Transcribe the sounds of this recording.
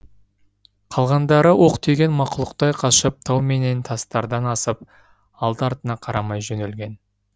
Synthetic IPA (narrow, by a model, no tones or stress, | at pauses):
qʰɑlˠʁɑnd̪ɑɾəwʔo̞qt̪ʰeɡʲe̞nmɑqʊlˠəq̚t̪ɑjqʰɑʃəp̚t̪ʰɑwme̞ne̞nt̪ʰɑst̪ɑɾd̪ɑnɑsəp̚ | ɑlˠd̪ɑɾt̪ənɑqʰɑɾɑmɑjʒɵnelɡʲe̞n